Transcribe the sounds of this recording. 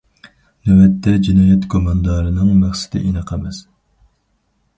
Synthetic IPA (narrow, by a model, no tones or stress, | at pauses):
nɛwɛt̪ʰːɛd͡ʒinɑːjɛt̪kʰomɑnd̪ɑːɾɨnɨŋmæχsɪ̥d̪ɪ̰ʔinɨqʰɛmɛs